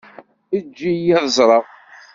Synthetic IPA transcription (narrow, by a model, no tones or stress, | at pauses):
əd͡ʒːijæðzˤɾˤəʁ